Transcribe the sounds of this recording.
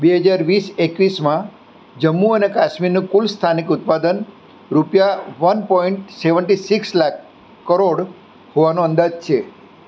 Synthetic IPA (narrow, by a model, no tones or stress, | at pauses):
beɦəd͡ʒaɾʋisekʋismã | d͡ʒəmːuənekaʃmiɾnũkulst̪ʰanikʊt̪̚pad̪ən | ɾupjaʋənpɔiɳʈseʋəɳʈisikslakː | əɾoɽ | hoʋanũənd̪ad͡ʒt͡ʃʰe